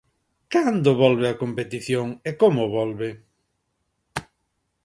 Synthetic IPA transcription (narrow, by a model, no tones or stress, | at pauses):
kand̪ʊβɔlβeɐkompet̪iθjoŋekomʊβɔlβe